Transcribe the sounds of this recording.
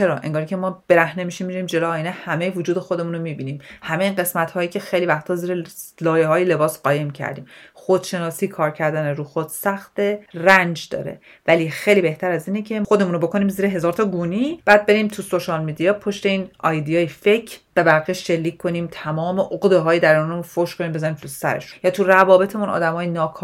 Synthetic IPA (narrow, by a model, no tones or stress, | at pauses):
t͡ʃʰeɾɒ̰ːʔeŋɡɒːɾicʰemɒːb̥e̞ɾæhne̞miʃimiɾiːmd͡ʒe̞loːjinehæmejevod͡ʒuːd̪e̞xo̞d̪e̞muːnomibiːniːmhæme̞iːnɢe̞smæt̪hɒːjiːcʲʰe̞xejlivæxt̪ʰɒːziːɾelɒːjeɦɒːjele̞bɒːsɢɒːje̞mcʰæ̰ɾd̪ḭːmxod̪̥ʃe̞nɒːsiːkʰɒːɾcʰæɾd̪æneɾuːxod̪̥sæxt̪erænd͡ʒd̪ɒ̰ːɾḛ | væliːxejliːbe̞ht̪ʰæɾæziːnecʰe̞xod̪emuno̞bo̞kʰo̞niːmziːɾeɦe̞zɒːɾt̪ʰɒːɡuːnib̥æːd̪̚be̞ɾiːmt̪ʰuso̞ʃɒlmid̪ijɒːpʰoʃt̪e̞iːnɒjd̪ijɒːjefe̞cʰbæbæɾɣiʃʃe̞lːiːcʰkʰːo̞niːmt̪ʰæmɒːmeʔoɣd̪eɦɒːjed̪æɾunemunfoʃkʰoniːmbe̞zɒːɾiːmt̪ʰusæ̰ɾḛʃu̥njɒːt̪ʰurævɒːbe̞t̪ʰemunʔɒ̰ːd̪æmɒːjenɒːkʰː